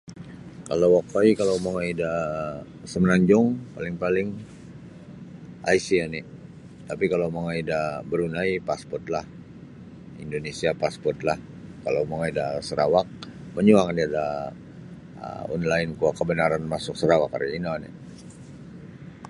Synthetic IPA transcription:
kalawakaikalawmaŋaida | səmənaɲd͡ʒʊŋpalɪŋpalɪŋ | ʔa̰jsianɪ | t̪apikalawmaŋaidabəɾunaipaspɔrt̪lah | ḭndonesiapaspɔrt̪lah | kalawmaŋaidasəɾawak̚ | məɲuaŋdiada | ə̰ɔ̰nlaɪnkuakəbənaɾanmasʊk̚səɾawakːa̰rja̰inanɪ̰

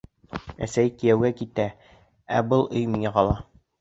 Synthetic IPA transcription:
æ̰sæjkĭjæwɡækit̪æ | æbɤlˠʔɵjmiŋæqɑlˠɑ

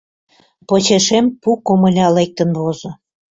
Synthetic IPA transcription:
pot͡ɕeʃempukomə̆lʲɑlek̚t̪ə̆nβozŏ

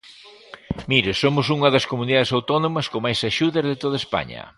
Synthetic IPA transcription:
miɾɪsomʊsuŋɐðɐskomuniðaðesawt̪ɔnõmɐskomajsaʃuðɐzðɪt̪oðaespa̰ɲɐ̰

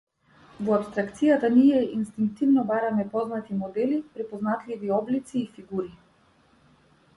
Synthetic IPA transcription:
vɔapst̪ɾakt̪sijat̪aniɛinst̪iŋk̚t̪ivnɔbaɾamɛpɔznat̪imɔd̪ɛlipɾɛpɔznat̪liviɔblit̪siːfiɡuɾi

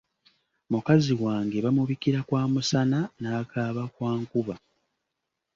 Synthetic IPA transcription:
mukaziwaːŋɡe̞βamuβikiɾakwaːmusananaːkʰaːβakwaːŋkuβa

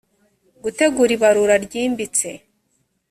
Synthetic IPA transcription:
ɡute̞ɡuɾiβaɾuɾaɾɟiːmbit͡se̞

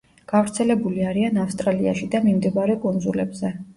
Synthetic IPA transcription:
ɡ̥avɾt̪sʰɛlɛbuliaɾianafst̪ʼɾalia̰ʃid̪amimd̪ibaɾɛkʼunzulɛbzɛ

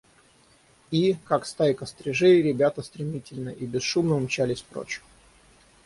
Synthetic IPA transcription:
ikakst̪ajɪkəst̪ɾʲɪʐeɾʲɪbʲat̪əst̪ɾʲɪmʲitʲɪlʲnəʔibʲɪsʂumnəmt͡ɕalʲɪsʲpɾo̰t͡ɕɪ̥

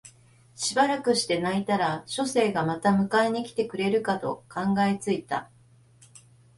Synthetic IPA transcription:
ɕibaɾakɯ̟ɕi̥t̪e̞nait̪aɾaɕo̞se̞ːɡamat̪amɯ̟kaeɲ̟ikʲi̥t̪e̞kɯ̟ɾe̞ɾɯ̟kat̪o̞̰kãŋɡaet͡sɨit̪a̰

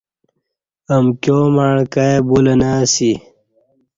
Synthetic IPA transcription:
ɐmkjomaɳkajebulɐnaːsi

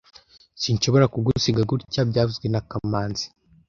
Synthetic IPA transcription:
siːɲʃo̞βo̞ɾakuɡusiɡaɡuɾcabɟaːvuzɡwenakamaːnzi̥

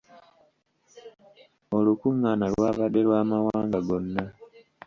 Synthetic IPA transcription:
o̞lukuŋːanalwaːβade̞lwaːmawaːŋɡaɡo̞nːa

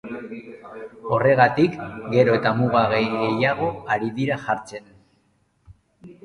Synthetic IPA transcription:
o̞re̞ɣat̪ikɡe̞ɾo̞e̞t̪amuɣaɣejɣe̞jaɣ̞o̞aɾiðiɾaʝaɾt͡se̞n

